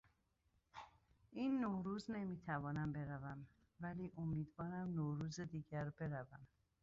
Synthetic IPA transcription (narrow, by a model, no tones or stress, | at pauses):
ʔiːnːoːɾuːzne̞miːt̪ʰævɒːnæmbe̞ɾævæm | væliːʔomiːd̪vɒːɾæmnoːɾuːzed̪iːɟæɾbe̞ɾævæm